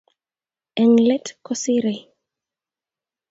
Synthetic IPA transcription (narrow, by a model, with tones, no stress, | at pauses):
ɛ˨ŋlɛ˦tkɔsiɾe˨